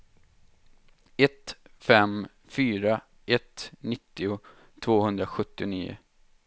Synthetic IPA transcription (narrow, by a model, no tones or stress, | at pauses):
ɛt̪fɛm | fyːɾa | ʔɛt̪nɪt̪ːɪʊ | t̪ʰvoːhɵnd̪ɾaɧɵt̪ːɪnḭːʊ̰